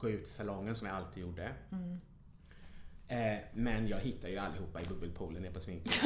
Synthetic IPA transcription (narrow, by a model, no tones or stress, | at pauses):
ɡ̥oːʉ̟ːt̪ʰɪlsalɔŋːənsɔmjaalt̪ʰiːd̪juːɖːə | mɛnjɑːɡɦɪt̪ːajɵalːɪhuːpːaɪbɵbːəlpʰuːlənɛɾpʰɔsmɪn